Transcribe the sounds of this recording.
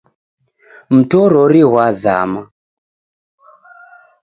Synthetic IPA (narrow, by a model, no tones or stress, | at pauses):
m̩tɔɾɔɾiɦwaza̰ːma